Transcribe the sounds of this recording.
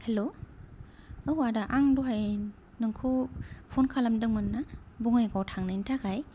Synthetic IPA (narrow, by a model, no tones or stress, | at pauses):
helo | ɯwadaʔaŋdoɦaj | nɯŋkʰɯpʰɔnkʰalamdɯŋmɯnːabuŋajɡawtʰaŋnɯintʰakʰaj